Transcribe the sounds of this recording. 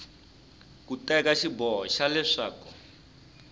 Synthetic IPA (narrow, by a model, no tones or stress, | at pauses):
kutakaʃibɔʃalɛʂaːkɔ